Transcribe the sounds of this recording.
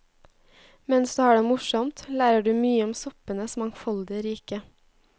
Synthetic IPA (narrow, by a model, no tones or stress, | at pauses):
mɛnsd̪ʉːhɑːɖeːmʊʃɔmt̪læːɾəɖʉːmyːəɔmsɔpənəsmɑŋfɔld̪ɪəɾiːkə